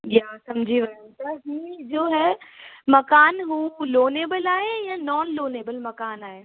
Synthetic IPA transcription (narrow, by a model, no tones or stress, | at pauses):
jaːsɐmd͡ʑʱiʋɐɦũt̪ɐɦĩːd͡ʑoːɦɛmɐkaːnɦuːloːneːbəlaːɦejãnɔːnloːneːbəlmɐkaːnaːɦeː